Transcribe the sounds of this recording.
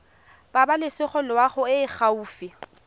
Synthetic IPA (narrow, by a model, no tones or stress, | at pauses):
b̥abalɪsɪχɔlwaχʊɪːχauːfɪ